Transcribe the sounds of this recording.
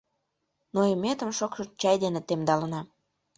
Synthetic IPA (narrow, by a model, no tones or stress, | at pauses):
noemet̪ə̆mʃokʃɤt͡ɕɑjd̪enet̪emd̪ɑlənɑ